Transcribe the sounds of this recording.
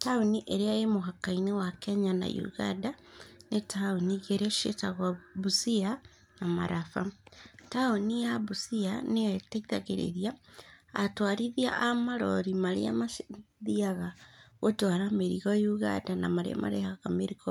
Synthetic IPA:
taoniʔeɾeajemoɦakainewakɛɲana̰jṵɣa̰ndanetaoniɣeɾeʃetaɣabusia | namaɾafataonijaβusianeateiðaɣḛɾḛɾiaː | twaɾiðia̰ʔamaɾɔ̰ɾimaɾḛa̰maðiaɣaɣotwaɾameɾiɣɔjuɣa̰ndana̰maɾḛa̰ma̰ɾḛhakameɾiɣɔ

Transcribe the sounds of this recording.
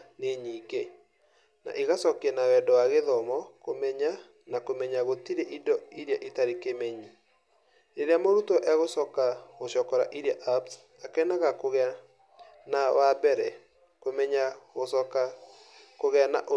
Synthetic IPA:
neɲike | na̰ʔeɣasɔkɛnawɛdɔwaɣeðɔmɔkomɛɲa | nakomɛɲaɣotiɾeʔidɔiɾjaʔetaɾekemɛɲi | ɾeɾeamoɾutɔʔɛɣosɔkaɣoʃɔkɔɾa̰ʔiɾiaʔaps | akɛnaɣakoɣ | nawabɛɾɛ | komɛɲaɣosɔka | koɣɛanaʔo

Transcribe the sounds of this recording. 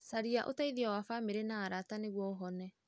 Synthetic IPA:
saɾiaʔo̰taiðiawafameɾenaːɾataneɣwɔɦɔnɛ

